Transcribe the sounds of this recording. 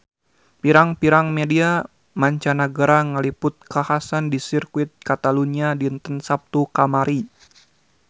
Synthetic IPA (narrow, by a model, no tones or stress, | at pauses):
piɾaŋpiɾaŋmedia | maɲt͡ʃanaɡaɾaŋəlipʊt̪̚kahasandisirkuɪt̪̚kat̪aluniadint̪ənsap̚t̪ukamaɾi